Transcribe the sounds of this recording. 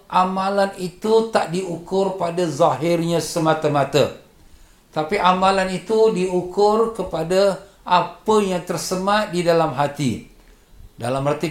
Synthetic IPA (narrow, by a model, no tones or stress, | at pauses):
ʔamãlanit̪ut̪aʔdiukʊrpadazaɦɪrɲãsəmãt̪əmãt̪ə̰ | t̪apiʔamãlanit̪udiukʊrkəpada | ʔapəjaŋt̪ərsəmãt̪̚didalamɦat̪ḭ | da̰lamhat̪i